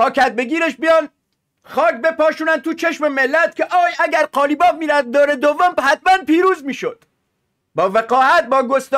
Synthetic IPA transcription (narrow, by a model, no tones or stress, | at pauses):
pʰɒːkʰæt̪̚be̞ɡiːɾeʃbijɒn | xɒːkbe̞pɒːʃuːnæn̚t̪ʰuːt͡ʃʰeʃme̞melːæt̪̚cʰeʔɒːjæɟæɾqɒːliːbɒːb̚miːɾæf̚d̪oːɾed̪ovːomhæt̪mænpiːɾuːzmiːʃod̪̥ | bɒːveqɒːhæt̪̚bɒːɡost̪